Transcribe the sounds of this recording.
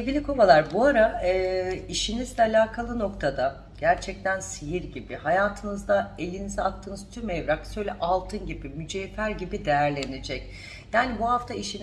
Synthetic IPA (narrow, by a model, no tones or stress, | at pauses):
eɟʲilʲikʰo̞valˠaɾbuaɾa | iʃinizd̪ʲɛalʲaːkʰalˠɯno̞kt̪ʰad̪a | ɟ̥æɾt͡ʃʰɛc̚t̪ʰænsijiɾɟibihajaːt̪ʰɯnɯzd̪ae̞lʲinizɛakt̪ʰːɯːnɯzt̪ʰymɛvɾaksø̞jlʲɛʔalˠt̪ʰɯnɟibimyd͡ʒeːfæɾɟibid̪ejæɾlʲe̞ned͡ʒɛc | jaːnibuɦaft̪ʰaiʃin